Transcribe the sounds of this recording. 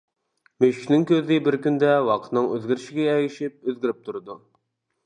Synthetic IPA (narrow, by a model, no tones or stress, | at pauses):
møʃi̥ʃʲnɪŋkʲøzɪbɪɾkʲynd̪ɛwɑqʰət̪nɨŋøzɡʲiɾɪʃɪɡʲɛɛɡʲiʃip̚øzɡʲiɾɪp̚t̪ʰuɾɨd̪u